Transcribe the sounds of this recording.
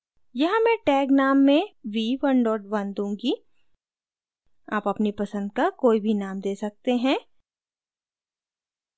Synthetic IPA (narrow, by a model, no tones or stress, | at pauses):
jɐɦãmɛ̃ːʈɛːɡnaːmːẽʋiʋɐnɖɔːʈʋɐnd̪ũːŋɡi | aːpɐpnipɐsə̃nd̪̚kakoːibʱinaːmd̪eːsɐk̚t̪eɦɛ̃ː